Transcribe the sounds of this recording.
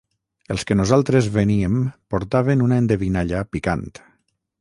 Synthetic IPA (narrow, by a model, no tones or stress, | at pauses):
elˠskenuzalˠt̪ɾezβeniempoɾt̪aβ̞enunaend̪eβinaʎapika̰nt̪